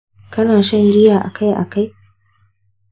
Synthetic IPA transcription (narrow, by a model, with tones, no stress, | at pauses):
kɐ˦naː˨ʃɐ˦ŋɡʲɪ˦jaː˨ʔa̰˨ka˦jʔa̰˨ka˦j